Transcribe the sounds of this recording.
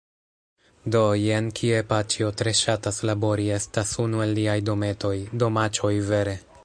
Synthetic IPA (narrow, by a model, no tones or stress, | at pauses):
do̞jenkʰiepat͡ʃio̞tɾe̞ʃataslabo̞ɾie̞stasunue̞lːiajdo̞me̞to̞jdo̞mat͡ʃo̞jve̞ɾe̞